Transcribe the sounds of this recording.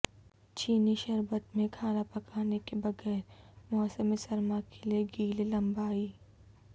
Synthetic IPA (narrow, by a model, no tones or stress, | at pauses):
t͡ʃiːniʃɐɾbət̪mẽkʰaːnapɐkʰaːnekebɐɡɛːɾmɔːsəmesɐɾmakelieɡiːlelɐ̃mbaːiː